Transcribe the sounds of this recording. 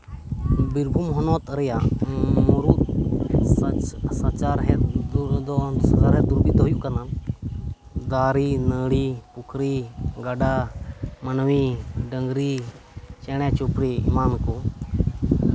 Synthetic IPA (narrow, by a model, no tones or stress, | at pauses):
biɾbʱumɦɔnɔt̪ɾjamoɾut̪ | sat͡ʃaɾɦɛd̪st͡ʃaɾɦɛd̪uɾbit̪ɦʊjukənan | d̪aːɾiːnəːɽipʊkʰɾiɡəɖaːmənwiːɖəŋɡɾi | t͡ʃɛɽ̃ɛ̃t͡ʃopɾiimaːnko